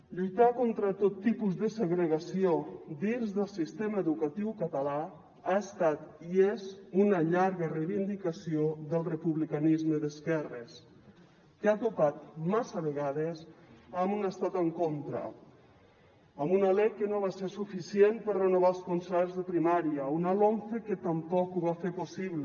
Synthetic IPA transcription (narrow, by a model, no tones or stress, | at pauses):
ʎujt̪akont̪ɾət̪ot̪ːipuzðəsəɣɾəɣasiod̪inzðəlˠsist̪eməəðukət̪iwkət̪əla | aəst̪at̪iezunəʎaɾɣərejβind̪ikəsioðəlˠrəpuβlikanizməðəskɛrəs | kat̪upat̪̚masəβ̞eɣaðezəmunəst̪at̪əŋkont̪ɾə̰ | əmunalɛjkənoβaseɾsufisienpərrənoβ̞alˠskonsɛɾzðəpɾimaɾjəunalonθekət̪əmpɔkuβafeposiβl